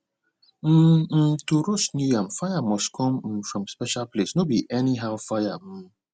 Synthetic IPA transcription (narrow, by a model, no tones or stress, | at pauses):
m̩tuɾosnuãmfajamɔskʰɔ̃m̩fɹɔ̃mspɛʃalplesnobiʔɛniɦaʊfajam̩